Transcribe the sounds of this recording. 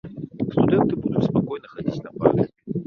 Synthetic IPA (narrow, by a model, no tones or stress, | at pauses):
st̪ʊd̪ɛnt̪ɨbud̪ʊt̪spɐkojnəxɐdʲitʲnɐpa̰lʲɪ